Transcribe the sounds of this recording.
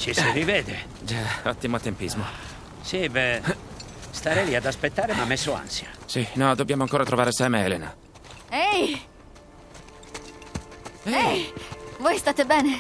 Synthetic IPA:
t͡ʃisiɾivɛːd̪e | d͡ʒɛɔt̪ːimoat̪ːempizmo | sibɛ | st̪aːɾɛliad̪aspet̪ːaːɾemamːesːʊa̰nsjasinɔd̪obːjaːmoaŋkoːɾat̪ɾovaːɾesɛːmeɛːlena | ɛj | ɛ | vojst̪aːt̪ebɛːne

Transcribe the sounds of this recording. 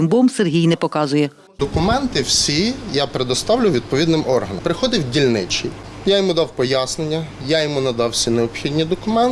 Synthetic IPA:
ɪmbɔmserɦʲijnɛpɔkɑzʊjɛ | d̪ɔkʊmɛnt̪ɪwsʲijapɾed̪ɔst̪ɑwlʲʊʋʲid̪̚pɔʋʲid̪nɪmɔrɦɐnɐ̰mpɾɪxɔd̪ɪwdʲilʲnɪt͡ʃi | jajɔmud̪ɑwpɔjasnenʲːɐjajɔmunɐd̪ɑwsʲineɔpxʲid̪ʲnʲid̪ɔkʊmɛn

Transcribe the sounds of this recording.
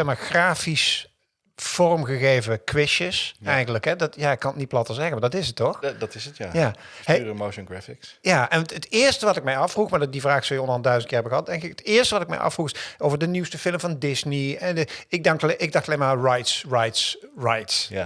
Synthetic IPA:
ɛxmaːɹxraːfis | fɔrmɣəɣejvəkʋɪʃəsɛjχənləkɦɛdɑtjaːɪkːɑnətnit̚plɑtəɹzɛxəmaːdɑtɪsətːɔxdɑtɪsətjaːjaːəmowʃənɡɹɛfɪksjaːʔɛntətɪːɹstəʋɑtɪk̚mɛjɑfruχmaːddivraːxsowjəɔndəɦɑndœɥszənt̚kɪːɹɦɛbəɣəɦɑt̚dɛŋkɪkətɪːɹstəʋɑtɪk̚mɛ̰jʔɑ̰fruxɪowvəɹdəniwstəfɪləmvɑndɪzniɛnɪɡ̚dɑŋktʔɪɡdɑxtɑleːjmaːɹajtsrajtsrajts

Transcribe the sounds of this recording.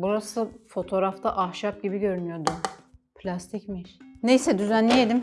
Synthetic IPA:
buɾasɯfo̞t̪ʰo̞ɾaft̪ʰaʔahʃap̚ɟibiɟø̞ɾynyjo̞ɾd̪upʰlʲast̪ʰicmiɾne̞jsɛd̪yzænːʲijed̪im

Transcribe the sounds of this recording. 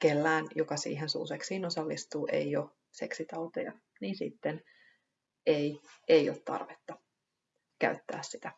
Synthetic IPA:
kelːæːnjokɑsḭːɦensṵːseksiːnosɑlːist̪uːʔe̞̰jo̞ | se̞ksit̪ɑut̪ojɑ̰ | niːnsit̪ːen | eiejot̪t̪ɑ̰rʋet̪ːɑ | kæ̰yt̪ːæ̰ːssit̪æ

